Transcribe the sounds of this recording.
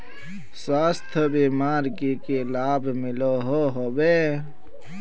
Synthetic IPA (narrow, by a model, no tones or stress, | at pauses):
swaːst̪ʰbiːmaːɾkekelaːbmɪloɦoɦobeː